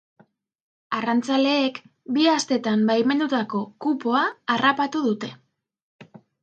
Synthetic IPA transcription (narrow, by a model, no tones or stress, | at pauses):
arant͡sale̞ːk | biast̪e̞t̪ambajme̞nd̪ut̪ako̞kupo̞aːrapat̪uðut̪e̞